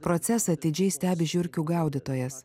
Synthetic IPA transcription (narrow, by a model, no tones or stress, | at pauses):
pɾɔt̪sʲɛsɐːt̪ʲɪd͡ʒʲɛɪsʲt̪ʲæːbʲɪʒʲʊɾʲkʲuːɡɐˑʊd̪ʲɪt̪oːjɛs